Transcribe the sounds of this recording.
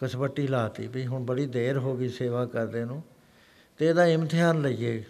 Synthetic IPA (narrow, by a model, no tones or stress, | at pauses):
kəsbəʈːiːlaːt̪ḭːbiːɦʊɳbəɽiːd̪eːɾɦoːɡiːseːʋaːkəɾd̪eːnũː | t̪eːd̪aːɪmt̪ʰɪjaːnləiːeː